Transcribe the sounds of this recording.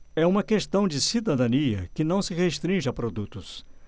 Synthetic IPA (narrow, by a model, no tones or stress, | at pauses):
ɛũmɐkeʃt̪ɐ̃w̃d͡ʒɪsid̪ad̪ɐ̃niɐ̰kɪnɐ̃w̃sɪɣeʃt̪ɾĩʒɪapɾod̪ut̪ʊs